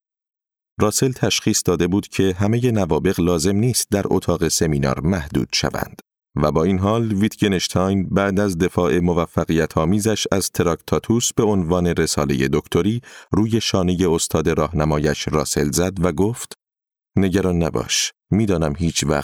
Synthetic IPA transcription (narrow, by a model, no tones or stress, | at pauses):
rɒːse̞lt̪ʰæʃχiːsd̪ɒːd̪e̞buːd̪̥cʰe̞ɦæmeje̞nævɒːbe̞ɣlɒːze̞mniːst̪̚d̪æɾo̰t̪ʰɒːɣe̞se̞miːnɒ̰ːɾmæhd̪ṵːd̪̥ʃæ̰væ̰nd̪̥ | væbɒːiːnɦɒːlvit̪ʰɡeneʃt̪ʰɒjnbæʔd̪æzd̪e̞fɒːʔe̞mo̞væfːæɣijæt̪ʰɒːmiːzæʃæzt̪ʰe̞ɾɒkt̪ʰɒːt̪ʰuːsb̥e̞onvɒːne̞ɾe̞sɒːle̞̰je̞d̪o̞kt̪ʰo̞ɾiːruːje̞ʃɒːne̞je̞o̞st̪ʰɒːd̪e̞ɾɒːhnæmɒːjæʃrɒːse̞lzæd̪væɡoːft̪ | ne̞ɟæɾɒːnːæbɒ̰ːʃ | miːd̪ɒːnæmɦiːt͡ʃʰvæ̰